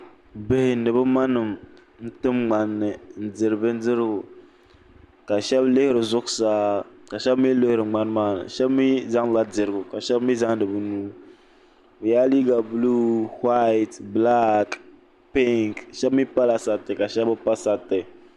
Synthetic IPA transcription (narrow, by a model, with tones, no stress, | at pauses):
be˨hɪ˨nɨ˨bɨ˦ma˦nɨ˨m | n̩˦tɨ˦mŋ͡ma˨nːɨ˨n̩˨d͡zɨ˨ɾɨ˨bɨ˦n̩˦dɨ˦ɾɨ˦ɡʊ˨ | ka˨ʃɛ˦blɪ˦hɪ˦ɾɨ˨zʊ˦ksaː˦ | ka˨ʃɛ˦bmi˦lɪ˦hɪ˨ɾɨ˨ŋ͡ma˦n˦maː˦nɨ̰˨ʃɛ˦bmi˦za˦ŋla˦d͡zɨ˨ɾɨ˨ɡʊ˨ka˨ʃɛ˦bmi˦za˦ŋnɨ˨bɨ˦nuː˦ | bɨ˨ja˦liː˦ɡa˨blu˦ha˦˨tbla˦k | pi˦ŋkʃɛ˦bmi˦pa˦la˨sa˨tːɨ˨ka˨ʃɛ˦bɨ˦pa˦sa˨tːɨ˨